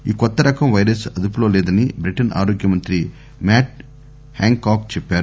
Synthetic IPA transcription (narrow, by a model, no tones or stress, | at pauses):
iːkɔt̪ːɐɾɐkɐmʋɐjɾɐsɐd̪up̬uloːlɛːd̪ɐnibɾiʈɐna̰ːɾoːɡjɐmɐnt̪ɾi | maːʈ̚ | haːŋkaːkt͡ʃɛpːaːɾu